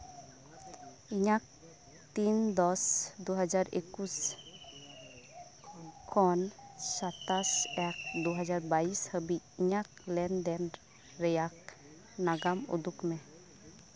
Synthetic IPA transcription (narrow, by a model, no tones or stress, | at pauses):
iɲak̚ | t̪ind̪ɔsd̪uɦad͡ʒaɾḛkus | kʰɔnsat̪asɛk̚d̪uɦad͡ʒaɾbaishəbiiɲak̚lɛnd̪ɛn | ɾɛjak̚ | naɡamṵd̪ukmɛ